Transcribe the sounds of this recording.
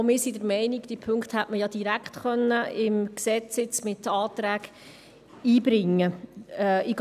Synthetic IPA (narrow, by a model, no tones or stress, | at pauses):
mɪːsidəɾmɛɪniɡd̥ipʰɵŋkthætməjɑd̥iɾækχt̪χœnːəɪmksɛt͡sɪt͡smɪtɑːt̪ɾæːɡ | iːbɾɪŋːə | ɪɡ